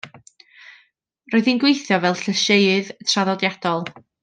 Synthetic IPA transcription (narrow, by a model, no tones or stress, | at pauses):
roːɨðinɡwejθjɔvɛlˠɬəʃeɨðtʰraðɔdjad̥ɔlˠ